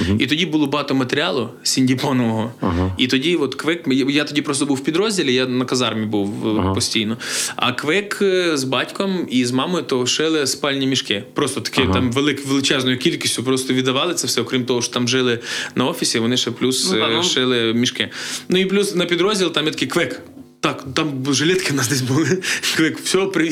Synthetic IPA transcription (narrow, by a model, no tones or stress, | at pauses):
it̪ɔdʲibʊlˠɔbɦɑt̪ɔmɐt̪eɾʲɪɑlˠʊsʲinʲdʲipɔnɔʋɔɦɔit̪ɔdʲiʋɔt̪kʋɪkjat̪ɔdʲipɾɔst̪ɔbuwpʲid̪ɾɔzʲdʲilʲɪjanɐkɐzɑrmʲibuwpɔsʲtʲijnɔɐ̰kʋɪkzbɑtʲkɔmizmɑmɔjʊt̪ɔʃɪlˠɪspɑlʲnʲimʲiʃkɪpɾost̪ɔt̪ɐ̥kʲɛjʊt̪ɑmʋelˠɪkʋʲelˠɪt͡ʃɛznɔjʊkʲilʲkʲisʲtʲʊpɾɔst̪ɔʋʲid̪ɐʋɑlˠɪt̪sɛfsɛɔkɾʲimt̪ɔɦɔʃt̪ɔ̥t̪ɑmʒɪlˠɪnɐɔfʲisʲɪʋɔnɪʃɛplʲusʃɪlˠɪmʲiʃkɪnuiplʲusnɐpʲid̪ɾɔzʲdʲilˠt̪ɑmjat̪ɐkɪkʋɛk | t̪ɑkt̪ɑmʒɪlʲɛt̪kɪnɑsd̪ɛs̬ʲbulˠɪkʋɛkfsʲɔpɾɪ